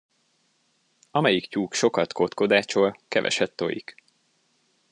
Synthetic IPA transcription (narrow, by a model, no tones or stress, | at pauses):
ɒmɛjikcuːkʃo̞kɒt̪ko̞t̪ko̞d̪aːt͡ʃoːlkɛvɛ̰ʃɛt̪ːo̞̰jḭk